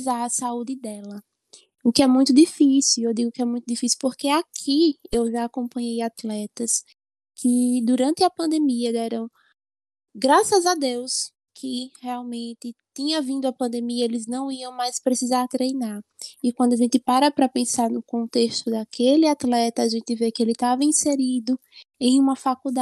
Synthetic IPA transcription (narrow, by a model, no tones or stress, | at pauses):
zaɐsaud̪ɪd̪ɛlɐ | ʊkɪɛmũj̃t̪ʊd̪ifisiwewd̪iɡʊkɪɛmũj̃t̪ʊd̪ifisiwpoɾkeakʰiewʒaːkõpɐ̃ɲejat̪lɛt̪ɐs | kʰɪd̪uɾɐ̃nt̪ɪɐpɐ̃nd̪emiɐd̪ɛɾɐ̃w̃ | ɡɾasɐzad̪ews | kʰɪhɛawmẽnt̪ɪt̪ĩɲɐvĩnd̪ʊɐpɐ̃nd̪emiɐelɪznɐ̃w̃iɐ̃w̃majspɾesizaɾt̪ɾejnaɾ | ɪkwɐ̃d̪ʊaʒẽnt̪ɪpaɾɐpɾɐpẽsaɾnʊkõnt̪eʃt̪ʊd̪akʰelɪat̪lɛt̪ɐaʒẽnt̪ɪvekɪelɪt̪avɐĩseɾid̪ʊẽj̃ũmɐfakud̪a